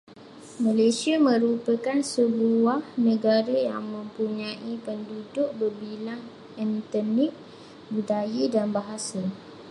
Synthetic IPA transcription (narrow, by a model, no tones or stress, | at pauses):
malasiamə̃ɾupəkansəluahnə̃ɡaɾəja̰ŋmə̃mpuɲãʔipəndudʊʔ̚bərbilaŋ | ɛnt̪ənɪk̚ | budajədanbaɦasa